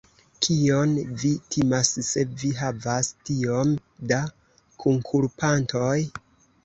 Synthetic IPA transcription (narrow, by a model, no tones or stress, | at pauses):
kʰio̞nvitʰimasse̞viɦavastio̞mda | kʰuŋkʰuɾpantoj